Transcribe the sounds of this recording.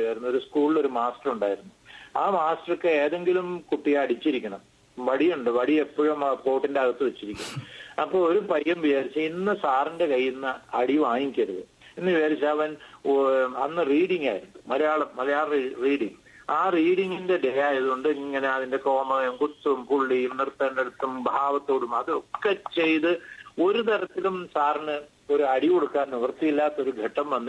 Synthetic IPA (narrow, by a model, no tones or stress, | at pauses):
jaːjiɾunːuoɾuskuːɭlo̞ɾumaːstɐruɳɖaːjiɾunːuaːmaːstɐrɐkːeeːðe̞ŋɡilumkuʈːijaːɐɽit͡ɕːiɾikʲːɐɳɐm | ʋɐɽijuɳɖɨʋɐɽie̞pːoɻumpo̞ːʈːindeɐɣɐt̪ːɨʋe̞t͡ɕːiɾikʲːuɳɐmɐpːo̞ːɭoɾupɐjːɐmʋit͡ɕaːɾit͡ɕːɐinːɨsaːrinde̞kɐjːinːɐːɽiʋaːjikʲiɐɾuðɨ̰ | inːɨʋiaːɾit͡ɕːaɐʋɐn | ɐnːɨriːɽiŋɡa̰ːjiɾunːumɐlɐjaːɭɐmːɐlɐjaːɭɐiriːɽiŋː | aːriːɽiŋːinde̞dejaːjɐðuoɳɖɨŋːɐne̞ɐðinde̞ko̞ːmɐðɐjumkut̪ːumpuɭːijumnirt̪ːɐneɽut̪ːumbʱaːʋɐt̪ːo̞ːɽumɐðɨokːet͡ɕe̞jt̪ɨo̞ɾut̪ɐɾɐt̪ːilumsaːrnɨ | o̞ɾuɐɽiko̞ɽukːaːnniʋɐrt̪ːijilːaːt̪ːo̞ɾuɡʱɐʈːɐmʋɐnːɨ